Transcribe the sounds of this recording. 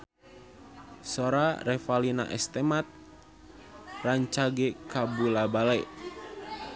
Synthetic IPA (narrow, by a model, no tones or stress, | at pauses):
soɾarɛfalina̰ʔɛ̰st̪ɛmat̪̚ | raɲt͡ʃaɡɛkabulabalɛʔ